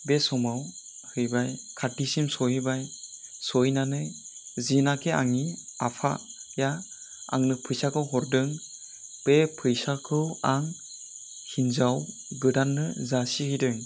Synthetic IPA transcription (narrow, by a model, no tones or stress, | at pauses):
besɔmaw | hɯjbajkʰatisimsɔibajsɔjnanɯzinakʰea̰ŋiapʰa̰ja | a̰ŋnɯpʰɯjsakʰɯwɦɔɾdɯŋ | b̥epʰɯjsakʰɯwaŋ | hinzaw | ɡɯdanːɯzasihɯjdɯŋ